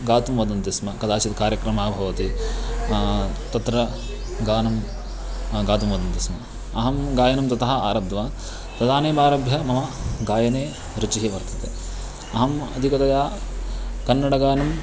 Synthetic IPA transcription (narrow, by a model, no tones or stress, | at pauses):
ɡaːt̪umʋɐd̪ɐnt̪ismɐkɐd̪aːt͡ʃit̪kaːɾjɐkɾɐmaːbʱɐʋɐt̪i | t̪ɐt̪ɾɐ | ɡaːnɐm | ɡaːt̪umʋɐd̪ɐnt̪ismɐ | ɐɦɐmɡaːjɐnɐmt̪ɐt̪ɐɦɐaːɾɐbd̪ʋaː | t̪ɐd̪aːneːbaːɾɐbʱjɐmɐmɐɡaːjɐneː | ɾut͡ʃiɦiʋɐɾt̪ɐt̪e | ɐɦɐmɐ̰d̪ʱikɐt̪ɐjaː | kɐnːɐɽɐɡaːɐnɐm